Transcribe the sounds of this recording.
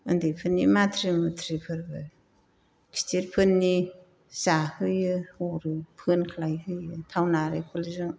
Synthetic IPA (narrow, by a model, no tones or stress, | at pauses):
ɯndɯjpʰɯnːimatʰɾimɯtʰɾipʰɯɾbɯ | kʰi̥tʰiɾpʰɯnːi | sahɯjɯhuɾɯpʰɯnkʰalajɦɯjɯtʰawnaɾɯpʰɯlizɯŋ